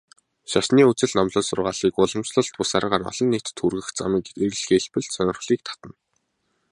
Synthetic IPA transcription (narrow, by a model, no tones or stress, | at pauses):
ʃaʃniːut͡sɘ̆ɮnamɮʊ̆ːsʊrʁaːɮiːkʊɮə̆msɮə̆ɮt̪̚pʊsaːɾʁaːɾɔ̰ɮ̥ɞ̆nːet̪t̪ʰːurɣɘ̆xt͡sa̰miːkeɣɘ̆ɮxeɮpɘ̆ɮsœnʲɪ̆rχɮiːk̚t̪ʰḁt̪ə̆n